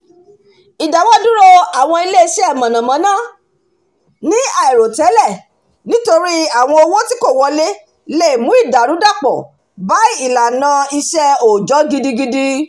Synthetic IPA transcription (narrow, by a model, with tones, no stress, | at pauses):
i˨da˨wɔ˦dũ˦ɾo˦a˨w̃ɔ̃˧i˧le˦i˧ʃɛ˦ɛ˦˨mã˨nã˨mã˨˦nãː˦˨ | nĩ˦a˨ɛ˨ɾo˨tɛ˨˦lɛ˦˨ | nĩ˦to˧ɾi˦a˦˨w̃ɔ̃˧o˧wo˦ti˦ko˦˨wɔ˧le˦ | le˦˨mũ˨˦i˦˨da˨ɾũ˨˦da˦˨k͡pɔ̰˨ | ba˨˦i˦i˦˨la˨nã˧i˧ʃɛ˦o˨d͡ʒɔ˨˦ɡi˧di˧ɡi˧di˦